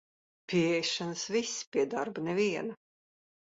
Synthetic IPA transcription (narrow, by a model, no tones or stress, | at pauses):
pʲiɛjʃanɨsvisʲːpʲiɛd̪aɾbnɛviɛnɐ